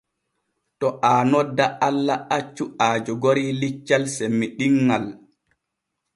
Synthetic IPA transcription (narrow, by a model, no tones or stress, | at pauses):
tɔʔaːnɔdːaʔalːaʔat͡ʃːuaːd͡ʒɔɡoɾilit͡ʃːalsemːiɗiŋːal